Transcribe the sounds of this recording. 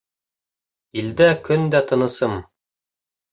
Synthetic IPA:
ild̪ækɵnd̪æt̪ʰɤ̆nɤ̆sɤm

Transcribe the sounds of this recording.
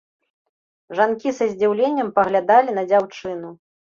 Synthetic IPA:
ʐankʲisɐzʲd͡zʲiwlʲenʲːɐmpɐɣlʲad̪alʲinɐd͡zʲawt͡ʂɨnu

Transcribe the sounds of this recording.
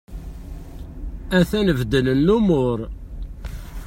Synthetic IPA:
æθænəvd̪ənənːumʊɾ

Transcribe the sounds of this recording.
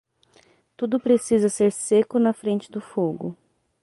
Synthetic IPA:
t̪ud̪ʊpɾesizɐseɾsekʊnɐfɾẽnt͡ʃɪ̥d̪ʊfoɡʊ

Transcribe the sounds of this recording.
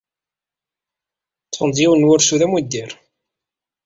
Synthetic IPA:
t͡sːˤənd̪ˤjiwnːwʊɾsuðæmwid̪ːiɾ

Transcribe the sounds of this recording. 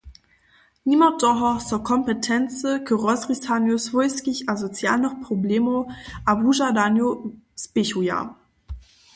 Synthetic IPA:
nimɐdɔɦɐt͡soɐkʰɔmpətʰɛnt͡səkʰəʁɔsʁisanjosvɔʏskɪçazot͡sja̰ːlnəχpʁ̥obleːmoʔabuʒadanjosb̥ɪçuja̰

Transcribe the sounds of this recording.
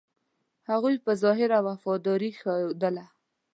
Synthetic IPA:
haɣujpəzɑɦɪɾawafɑd̪ɑɾixad̪əla

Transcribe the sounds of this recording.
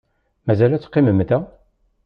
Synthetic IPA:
mæzælæt͡sːqːɪməmt̪æ

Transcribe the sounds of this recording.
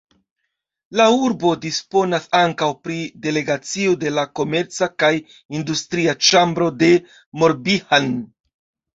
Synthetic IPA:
lauɾbo̞dispo̞nasaŋkawpɾide̞le̞ɡat͡sio̞de̞lako̞me̞ɾt͡sakaj | industɾiat͡ʃambɾo̞de̞ | mo̞ɾbihan

